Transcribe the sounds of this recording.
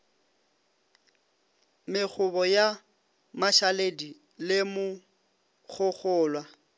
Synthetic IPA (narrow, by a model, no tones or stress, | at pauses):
mɪk͡xʰʊbɔja | maʃaledi | lɪmʊ | ɣʰʊɣʰʊːlwa